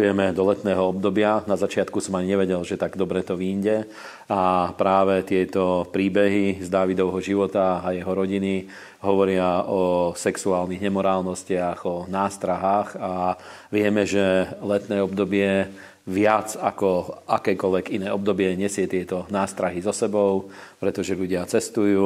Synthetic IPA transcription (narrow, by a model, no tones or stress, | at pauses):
jɛmɛd̪ɔlɛt̪nɛːɦɔɔb̚d̪ɔbɪanazat͡ʃɪat̪kusɔmaɲiɲɛʋɛɟɛlʒɛt̪aɡd̪ɔbɾɛt̪ɔʋiːɲɟɛ | apɾaːʋɛt̪ɪɛt̪ɔpɾiːbɛɦizd̪aːʋid̪ɔʋɦɔʒiʋɔt̪aajɛɦɔɾɔɟini | ɦɔʋɔɾɪaɔsɛksuaːlniɣɲɛmɔɾaːlnɔscɪaɣɔnaːst̪ɾaɦaːɣa | ʋɪɛmɛʒɛlɛt̪nɛːɔbd̪ɔbɪɛ | ʋɪad͡zakɔakɛːkɔlʋɛkinɛːɔb̚d̪ɔbɪɛɲɛsɪɛt̪ɪɛt̪ɔnaːst̪ɾaɦizɔsɛbɔʊpɾɛt̪ɔʒɛʎuɟɪat͡sɛst̪ujuː